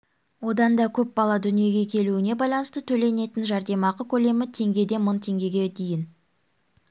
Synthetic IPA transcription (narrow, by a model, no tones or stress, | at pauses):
wo̞d̪ɑnd̪ɑkʲʰɵp̚bɑlˠɑd̪ʏnije̞ɡʲe̞kʲʰe̞luɪne̞bɑjlˠɑnəst̪ət̪ʰɵle̞ne̞t̪ɪnʒɑɾd̪e̞mɑqəkʲʰɵle̞mɪt̪ʰe̞ŋɡʲe̞d̪e̞mənt̪ʰe̞ŋɡʲe̞ɡʲe̞d̪ijɪn